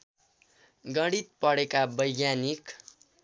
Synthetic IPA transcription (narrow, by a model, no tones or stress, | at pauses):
ɡʌɽit̪̚pʌɽekabʌjɡjanik